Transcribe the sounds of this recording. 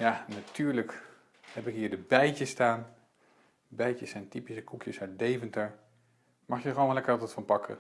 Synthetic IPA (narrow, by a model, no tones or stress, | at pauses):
janatyːɹlək | hɛpɪkɦiːɹdəbɛjcəstaːn | əbɛjcəsɛjntipisəkukʰjəsaɥt̚dejvəntəɹ | mɑχjəχəoːnʋlɛkəɹɑtətfɑnpɑkʰə̰